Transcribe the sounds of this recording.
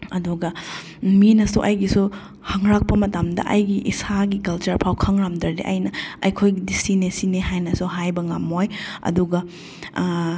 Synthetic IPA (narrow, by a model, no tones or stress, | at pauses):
ɐduɡɐ | minɐsuʔɐjɡisu | hɐŋɾak̚pɐmɐtamdɐ̰ʔɐjɡiʔḭsaɡikɐlt͡ʃɐɾpʰawkʰɐŋɾamdɐɾdeʔɐ̰jnɐɐ̰jkʰojɡidisinesineɦajnɐsuɦajbɐŋamojɐ̰duɡɐ